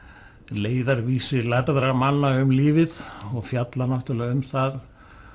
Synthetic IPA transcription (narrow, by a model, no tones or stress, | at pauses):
leːjðaɾviːsɪlaɾðɾamanːaʏmliːvɪðɔɣfjat̪lanɔht̪ʏlaʏmθað